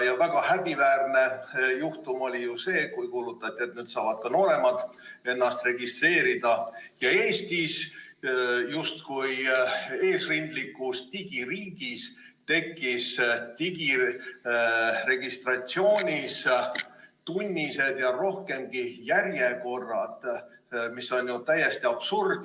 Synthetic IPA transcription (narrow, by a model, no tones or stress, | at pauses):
jɑvæɡ̥ɑhæb̥ivæːrne̞juht̪umo̞lʲijuse̞ːkujkuːlut̪ːˑɑt̪ʲːˑie̞t̪nyːd̪sɑːvɑd̪̥̚kɑno̞ːɾe̞mɑd̪ | e̞nːɑst̪re̞ɡ̥ist̪re̞ːɾid̪̥ɑjɑe̞ːst̪is | just̪kuje̞ːsrind̪likːˑust̪iɡ̥iɾiːɡ̥is | t̪e̞kːist̪iɡi | re̞ɡ̥ist̪rɑt̪sio̞ːnʲis | t̪unʲːise̞d̪̥jɑro̞hke̞mɡ̥ijærjeko̞rːɑd̪̥ | misːo̞nʲjut̪æje̞st̪iɑb̥surd̪̥